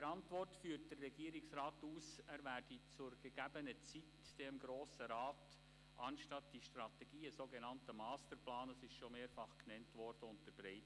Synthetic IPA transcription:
əɾɑntʋɔrtfyːrt̚d̥ərːɛɡ̥iəɾɪksrɑːtuːsæːɾvæːrdit͡sʊɾɡəɡ̥æbənət͡sit | d̥emɡɾoːsəɾaːt | ʔɑnʃtɑtd̥iʃtrɑtɛɡ̥iːəsoːɡenɑntəmɑːstəɾplɑːndɑsɪʃʃomeːɾfɑχknɛntʋɔrd̥əʊntəɾbɾɛɪt

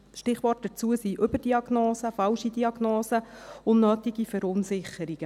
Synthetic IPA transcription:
ʃtɪχʋɔːt̚d̥ɛt͡suəsiʔɵbəd̥iɑɡnoːsəfɑlʃidiɑɡnoːsəʊnnœːtiɡifɛɾʊnsɪχːəɾiɡ̥ə

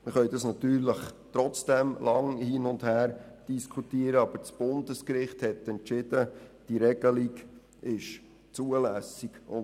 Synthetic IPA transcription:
məχœʏd̪ɑsnɑt̪yːɾləχt̪ɾɔt͡sd̥ɛmlɑŋhiːnʊndhæːɾd̥iskʰutiːəɾəɑb̥əɾt͡sb̥ʊndəskɾɪχthɛtɛnt͡ʃɪd̥əd̥iɾɛɡəliɡ | ʔɪʃ | t͡suːəlæsiɡ̥ʊn

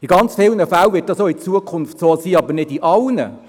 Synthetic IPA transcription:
iɡɑnt͡sfɪlnəfælʋɪt̚d̥ɑsoːɪt͡suəkʰʊnftsoːsiːɑbənɪdiʔɑlnə̰

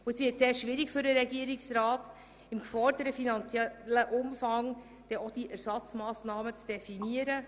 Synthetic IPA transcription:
uɛsvɪːtseːɾʃʋɪɾɪkfyɾdəɾɛɡiəɾɪksɾaːt | ɪmkfɔrdəɾəfinɑnt͡sjɛləʔʊmfɑŋ | d̥ɛod̥iʔæɾsɑt͡smɑːsnɑːmət͡sd̥ɛfiniəɾə

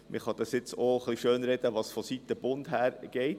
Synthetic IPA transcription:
mʔɪ̰χɑd̪ɑsjɪt͡soχliʃøːnɾɛd̥əʋɑsfɔsitːəb̥ʊnd̪ɦæːɾɡ̥ɛɪt

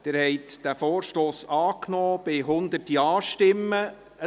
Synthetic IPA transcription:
d̪̥ɪːɾhɛɪt̪d̥̪æfoːɾʃtoːsɑːknɔːb̥ɪɦʊnd̪ərtiɑːʃtɪmːə | ə

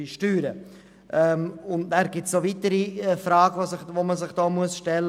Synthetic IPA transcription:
iʃtyːɾə | ʔɛmʊndnæːɾɡ̥ɪtsovitəɾiɛfɾɑːɡəʋosɪʋoməzɪχd̥ɔːmuəsʃtɛlː

